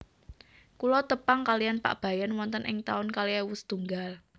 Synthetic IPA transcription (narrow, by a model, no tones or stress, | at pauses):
kulɔt̪əpaŋkalijanpa̰ʔb̥a̤janwɔnt̪ənʔɪŋt̪aʊnkaliawust̪uŋɡal